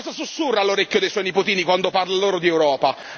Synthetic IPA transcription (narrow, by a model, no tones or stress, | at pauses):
zasusːurːalːoɾekʲːjod̪ejswɔjnipot̪iːnikwand̪oparlaloːɾod̪iewɾɔːpa